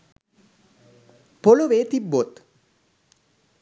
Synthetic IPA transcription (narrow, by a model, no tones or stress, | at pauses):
poloʋeːt̪ibːot̪